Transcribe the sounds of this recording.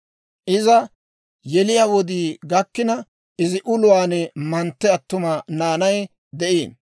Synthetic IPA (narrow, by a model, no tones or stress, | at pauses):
ʔɪzɐ | jɛlɪjaːwɔd̪iːɡɐkːɪnɐ | ʔɪzɪʔʊlʊwaːnɛmɐnt̪ːɛɐt̪ːʊmɐnaːnɐj | d̪ɛʔiːn